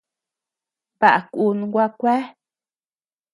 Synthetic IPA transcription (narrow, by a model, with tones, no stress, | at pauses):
ba˨ʔa˨ku˧nɡʷa˦kʷɛ˦